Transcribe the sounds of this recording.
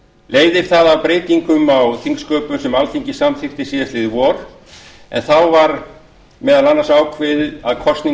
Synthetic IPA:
leːjðɪɾ̥θaðavpɾeːjt̪iŋkʏmawθiŋkskœːpʏsɛmalθiɲcɪsamθɪxt̪ɪsiːðat̪ɪðvɔɾ̥ | ɛ̰nθawvaɾ | mɛːðalanːasaːwkʰvɪðaðkʰɔst̪ni

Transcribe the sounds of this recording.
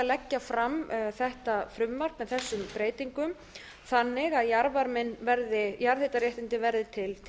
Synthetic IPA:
alɛcːafɾamθɛht̪afɾʏmːar̥kmɛðθɛsːʏmpɾeːjt̪iŋkʏm | θanːɪɣaðjaɾvaɾmɪnːvɛɾðɪjaɾðθet̪aɾjɛht̪ɪnt̪ɪvɛɾðɪt̪ʰɪlʰ

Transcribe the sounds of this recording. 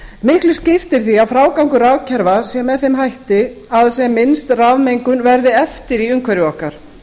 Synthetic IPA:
mɪhklɪscɪft̪ɪɾ̥θiawfɾaːwkawŋkʏɾavcʰɛɾvasɛmːɛðθejmɦajht̪ɪ | aðsɛmːɪnst̪ravmejŋkʏnvɛɾðɪɛft̪ɪɾiʏŋkʰvɛɾɪɔhkaɾ̥

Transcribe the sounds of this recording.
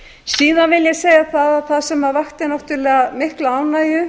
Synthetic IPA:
siːðanvɪljɛɣseːjɣaθaðaθaðsɛmaɾvaxt̪ɪnaht̪ʏɾlɛːɣamɪhklaaːwnaːjʏ

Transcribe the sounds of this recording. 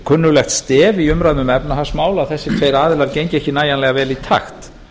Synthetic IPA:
kʰʏnːʏlɛxt̪st̪ɛːviʏmɾaðnʏmɛpnahasmaːwlaθɛsːɪt̪ʰveːjɾaːðɪlaɾcejɲcɪɛhcɪnaːjanlɛɣavɛːlit̪ʰa̰xt̪

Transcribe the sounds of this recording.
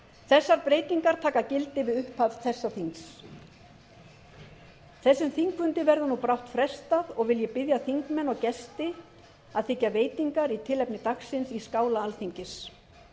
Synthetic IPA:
θɛsːaɾpɾeːjt̪iŋkaɾ̥t̪ʰaːkacɪlt̪ɪvɪðʏhpʰavθɛsːaθiŋs | θɛsːʏmθiŋkvʏnt̪ɪvɛɾðʏnupɾawht̪fɾɛst̪aðɔɣvɪljɛpɪðjaθiŋkmɛnɔwcɛst̪ɪ | aðθɪcːaveːjt̪iŋkaɾit̪ʰɪlɛpnɪt̪aksɪnsiskaːwlaalθiɲcɪs

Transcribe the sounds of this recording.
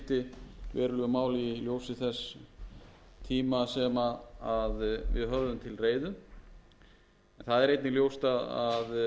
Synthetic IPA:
t̪ɪvɛ̰ːɾʏlœɣʏmaːwliljoːwsɪθɛs | t̪ʰiːmasɛmaaðvɪ̰ðɦœvðʏmt̪ʰɪlreːjðʏ | ɛnθaðɛɾejt̪nɪljoːwst̪aðað

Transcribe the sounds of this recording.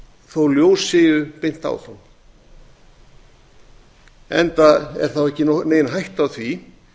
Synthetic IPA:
θowljoːwsɪːɣʏpejn̥t̪a̰wθa̰n | ɛ̰nt̪aɛ̰ɾ̥θawɛhcːɪneːjnɦajht̪awθvi

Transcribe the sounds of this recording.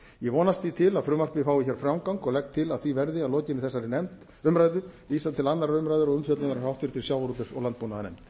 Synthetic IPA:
jɛvɔːnast̪θit̪ʰɪlaðfɾʏːmar̥pɪfaːwɪçɛɾ̥fɾawmkawŋkɔɣlɛk̚t̪ʰːɪlaðθvivɛɾðɪaðlɔːcɪnːɪθɛsːaɾɪnɛmt̪ | ʏmɾajðʏviːsat̪ʰɪlanːaɾaɾʏmɾajðʏɾɔɣʏmfjœt̪lanaɾahawht̪ɪɾt̪ʰɪlsjawvaɾut̪̬ɪsɔ̰ɣlant̪pmunaðanɛjmt̪

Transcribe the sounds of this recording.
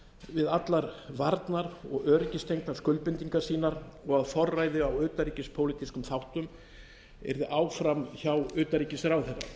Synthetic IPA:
vɪðat̪laɾvaɾt̪naɾɔɣœːɾɪcɪst̪ʰejŋknḁskʏlpɪnt̪iŋkḁsiːnaɾɔɣaðfɔrːaːjðʏawʏːt̪aɾicɪspʰoːwlit̪iskʏmθawht̪ʏm | ɛ̰ɾðɪʔaːwfɾamçawʏːt̪aɾiːcɪsɾawθɛrːa̰

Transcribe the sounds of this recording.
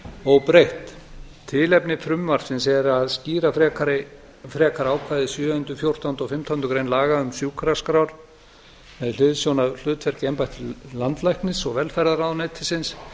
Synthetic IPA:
ɔɣpɾejht̪t̪ʰːɪlɛpnɪfɾʏmvaɾ̥sɪnsɛɾaðsciːɾafɾɛkaɾɪ | fɾɛːkaɾaːwkʰvaːjðɪsjʏːhʏnt̪ɾʏfjowr̥t̪awnt̪ɔwfɪm̥t̪ʰawnʏkɾejnlaːɣaʏmsjuːkʰɾaskɾawɾ̥ | mɛðl̥ʏðsjownaðl̥ʏːt̪ʰfvɛɾcɛmpajht̪ʰɪlant̪lajhknɪsɔɣvɛlfajɾðaɾawnɛt̪ʰɪsɪns

